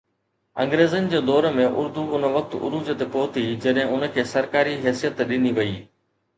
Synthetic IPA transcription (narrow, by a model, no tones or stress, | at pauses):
ɐ̃ŋɡɾeːzənɪ̆d͡ʑeːd̪ɔːɾəmẽʔʊɾd̪uʊnə̆ʋɐk̚t̪ʊ̰ɾud͡ʑət̪epoːt̪ʰid͡ʑɐɗɦɪ̃ʊnə̆kʰeːsɐɾkaːɾiɦɛːsijət̪ɗɪniʋɐiː